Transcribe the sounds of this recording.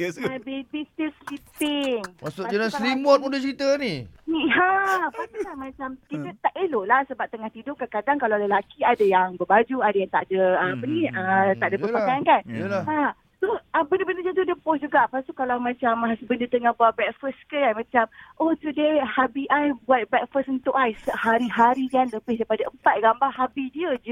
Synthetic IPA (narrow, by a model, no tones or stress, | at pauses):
abibist̪islipɪŋmasʊʔd͡ʒanasɾimɔt̪̚mudət͡ʃəɾit̪əniniɦapat̪ulahmãt͡ʃamkit̪ət̪aʔeloʔlahsəbap̚t̪əŋaht̪idʊkakadaŋkalawləlakiadajaŋbəbad͡ʒuadajaŋt̪a̰ʔdəəapəniət̪aʔdəbəpakajankanlha | soəbəndəbəndəd͡ʒət̪udəpɔsd͡ʒuɡaʔapast̪ukalawmãt͡ʃamsəbəndət̪əŋahbuat̪̚bɛk̚fəskəjamãt͡ʃamʔot̪udehabiʔajbuat̪̚bɛk̚fəsunt̪ʊkajsəhaɾiɦaɾikanləbɪhdaipadaʔəmpat̪̚ɡambaɦabidiəd͡ʒ